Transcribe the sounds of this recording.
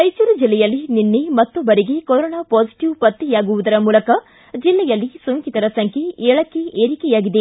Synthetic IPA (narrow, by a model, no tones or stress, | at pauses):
ɐjt͡ʃuɾud͡ʒilːɛjɐlːininːemɐt̪ːobɐɾiɡekoɾoɔːnaːpoːsi̥ʈiʋpɐt̪ːijaːɡuʋud̪ɐɾɐmuːlɐkɐ | d͡ʒilːɛjɐlːisuŋkit̪ɐɾɐsɐŋkʰjeeːɭɐkːeeːɾikɛjaːɡid̪e